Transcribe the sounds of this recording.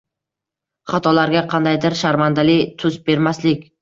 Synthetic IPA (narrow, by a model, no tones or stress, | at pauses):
χat̪ʰɒlaɾɡʲaqʰɑnd̪ajd̪ɪɾʃaɾmand̪alɪt̪ʰʊzbe̞ɾmaslɪkʲ